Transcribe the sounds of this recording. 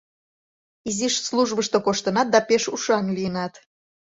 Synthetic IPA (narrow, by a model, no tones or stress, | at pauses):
iziʃsluʒβəʃt̪okoʃt̪ə̆nɑt̪̚d̪ɑpeʃuʃɑnlijənɑt̪